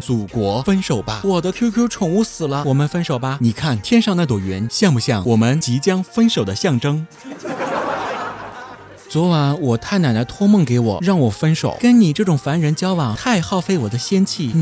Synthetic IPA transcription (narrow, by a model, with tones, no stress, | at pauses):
t͡su˨˩kwɔ˧˥fə˥nʂo˨˩ʊbɐ˦wɔ˨˩d̪ə˦kʰjo˥ʊkʰjo˥ʊʈ͡ʂʰʊ˨˩ŋu˥˩sɹ̩˨˩lə˦wɔ˨˩mə˧˦nfə˥nʂo˨˩ʊbɐ˧ni˨˩kʰa˥˩nt̪ʰjɛ˥nʂɑ˥˧ŋna˥˩t̪wo˨˩ɥɛ˧˥nɕjɑ˥˧ŋpu˧ɕjɑ˥˩ŋwɔ˨˩mə˦nt͡ɕi˧˥t͡ɕjɑ˥ŋfə˥nʂo˨˩ʊd̪ə˦ɕjɑ˥˩ŋʈ͡ʂɤ˥ŋ | t͡swɔ˧˥wa˧˥nwɔ˨˩t̪ʰa˥˩ɪna˨˩nd̪ə˧˦t̪ʰwɔ˥mɤ˥˩ŋke˧˥ɪwɔ̰˨˩˦ɻɑ˥˩ŋwɔ˨˩fə˥nʂo̰˨˩ʊkə˥nni˨˩ʈ͡ʂɤ˥˩ʈ͡ʂʊ˨˩ŋfa˧˥nɻə˧˥nt͡ɕjɑ˥ʊwɑ˨˩ŋt̪ʰa˥˧ɪxɑ˥˩ʊfe˥˩ɪwɔ˨˩d̪ə˦ɕjɛ˥nt͡ɕʰi˥˩